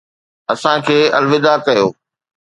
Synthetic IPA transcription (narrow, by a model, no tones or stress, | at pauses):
ɐsãkʰeːɐ̰lʋɪd̪akɐjo̰ː